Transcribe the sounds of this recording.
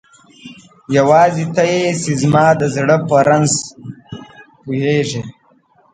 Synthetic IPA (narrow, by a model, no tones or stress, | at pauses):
jawɑːzit̪ajesizmɑːd̪əzɽəpəɾanz | pujeʐe